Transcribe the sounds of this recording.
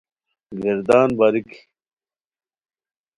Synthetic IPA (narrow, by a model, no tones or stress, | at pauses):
ɡeɾd̪aːnbaːɾiki̥